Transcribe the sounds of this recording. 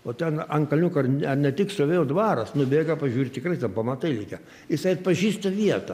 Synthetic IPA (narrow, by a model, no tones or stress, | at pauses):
oːt̪ʲɛnɐnkɐlʲnʲukɐrnɐnʲɛt̪ʲɪkst̪oːʋʲeːjoːd̪ʋɑːɾɐsnʊbʲeːɡɐpɐʒʲuːɾʲt̪ʲt̪ʲɪkrɐɪt̪ʲɛnpɐmɐt̪ɐɪlʲɛɪkʲɛ | jɪsɐɪɐt̪pɐʒʲiːst̪ɐʋʲiɛt̪ɐ